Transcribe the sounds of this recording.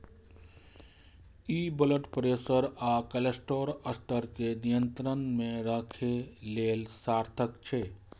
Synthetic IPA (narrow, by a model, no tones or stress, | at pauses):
ibələʈpɾesəɾakəlesʈoɾəst̪ʰəɾkenijənt̪ɾənmẽɾəkʰeleːlsaɾt̪ʰəkt͡ʃʰe